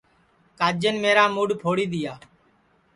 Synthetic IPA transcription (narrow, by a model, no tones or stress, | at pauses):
kaːd͡ʒənmeːɾaːmuːɖpʰoːɽiːd̪ɪjaː